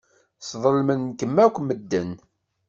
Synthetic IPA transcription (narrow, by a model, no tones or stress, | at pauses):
sðˤəlmənkəmːækʷːməd̪ːən